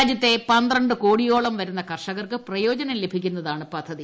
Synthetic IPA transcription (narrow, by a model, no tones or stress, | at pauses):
d͡ʑjɐt̪ːe̞pɐnd̪rɐɳɖɨko̞ːɽijo̞ːɭɐmʋɐɾunːɐkɐrʂɐɣɐrkɨprɐjo̞ːd͡ʑɐnɐle̞bʱikʲːunːɐðaːɳɨpɐd̪ʱːɐði